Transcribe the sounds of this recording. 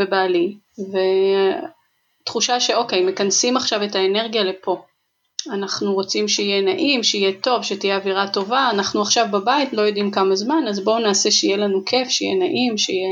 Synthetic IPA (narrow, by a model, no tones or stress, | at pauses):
ebaːli | ve | tχuʃaʃe̞o̞ke̞jme̞kansimaχʃave̞taene̞ʁɡijale̞pʰo̞ | anaχnuʁo̞t͡simʃeijenaʔimʃeijeto̞vʃetijeaviʁato̞vaːnaχnuaχʃavbabaitlo̞jo̞dimkamazmanazbo̞naːse̞ʃeijelanukʰe̞fʃeijenaʔimʃeije